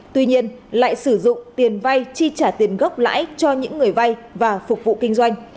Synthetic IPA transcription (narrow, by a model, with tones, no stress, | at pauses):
t̪wi˧ɲi˧ənla̰ː˧˨jsɨ˧˩zʊ̰˧˨ŋ͡mt̪i˨˩ənva˧jt͡ɕi˧t͡ɕaː˧˩t̪i˨˩ənɣə˦˥p̚la̰ː˧˥jt͡ɕɔ˧ɲɨ̰˧˥ŋːɨ˨˩əjva˧jvaː˨˩fʊ˨˩k͡p̚vṵ˧˨kï˧ŋ̟zwa˧jŋ̟